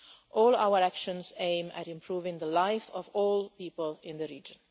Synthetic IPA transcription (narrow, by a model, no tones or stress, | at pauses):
ʔɔːla̰ʊə˞ækʃə̃nzẽɪ̃mæ̰ɾɪ̃mpʰɹ̥uːvɪ̃ŋðəlaɪfɔvɔːlˠpiːpəlˠɪ̃nðɨɹiːd͡ʒə̃n